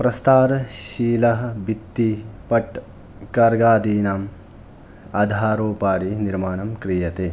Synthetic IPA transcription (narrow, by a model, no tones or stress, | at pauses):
pɾɐst̪aːɾʃiːlɐɦɐbit̪ːipɐʈ | kɐɾɡaːd̪iːnam | ɐd̪ʱaːɾoːpaːɾiniɾmaːnɐmkɾijɐt̪e